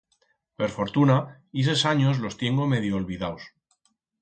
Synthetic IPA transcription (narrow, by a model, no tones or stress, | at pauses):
pe̞ɾfo̞ɾt̪una | is̬esaɲo̞zlo̞st̪je̞ŋɡo̞me̞ð̞joːlβiðaws